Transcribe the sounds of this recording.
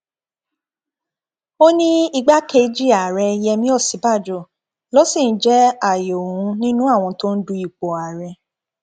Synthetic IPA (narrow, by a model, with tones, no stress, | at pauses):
o˦nĩ˦i˧ɡ͡ba˦kʰe˧˦d͡ʒi˦a˨ɾɛ˧jɛ˧mĩ˦ɔ˦˨si˨˦ba˦˨d͡ʒɔ˨˦˨ | lɔ˨˦sĩ˦˨n̩˨˦d͡ʒɛ˦a˦˨jo˨ũ˨˧˦nĩ˦nũ˦a˦˨w̃ɔ̃˧to˦n̩˦du˧i˦˨k͡po˨a˨ɾɛ˧